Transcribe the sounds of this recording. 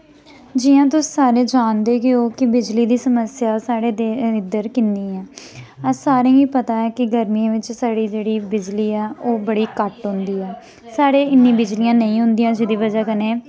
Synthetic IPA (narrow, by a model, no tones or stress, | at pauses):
d͡ʒiːãːt̪̬ʊsiːsaːɾeːd͡ʒaːnd̪eːkeoːkɪbɪd͡ʒliːd̪iːsəməsjaːsaːɽeːd̪eɪd̪əɾkɪnd̪iːɛːəsaːɾẽːiːpət̪aːɛːkɪɡəɾmiãːʋɪt͡ʃsaːɽiːd͡ʒeːɽiːbɪd͡ʒliːɛːʔoːbəɽiːkəʈɦʊ̃nd̪iːɛː | saːɽeːɪnːĩːbɪd͡ʒlijãːnəĩːɦʊ̃nd̪ijãːd͡ʒɪd̪iːʋəd͡ʒaːkəneː